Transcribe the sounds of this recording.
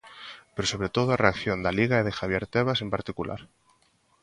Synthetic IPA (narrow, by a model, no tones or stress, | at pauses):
peɾoso̞βɾe̞t̪oð̞oareakθjo̞nd̪aliɣaeðexaβ̞je̞ɾt̪eβ̞asempaɾt̪ikulʔa̰ɾ